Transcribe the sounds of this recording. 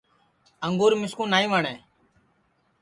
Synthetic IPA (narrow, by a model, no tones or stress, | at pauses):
əŋɡuːɾmɪskũːnaːĩːʋaːɳɛː